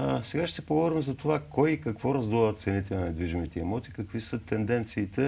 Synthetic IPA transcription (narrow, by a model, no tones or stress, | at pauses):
sɛɡaʃt̪ɛpoɡvvɔɾimzɐt̪ovakɔjikɐkvɔɾɐzd̪ɔlˠvɐt̪t̪sɛnit̪ɛnɐnɛd̪viʒimit̪ɛimɔt̪i̥kɐkvisət̪ɛnd̪ɛnt̪siːt̪ɛ